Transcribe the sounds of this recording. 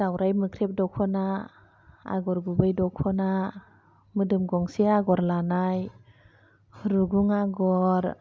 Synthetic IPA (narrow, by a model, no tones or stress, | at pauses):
d̥awɾajmɯkʰɾep̚dɔkʰɔna | a̰ɡɔɾɡubɯjdɔkʰɔna | mɯdɯmɡɔŋsiaɡɔɾlanaj | ɾuɡuŋaɡɔɾ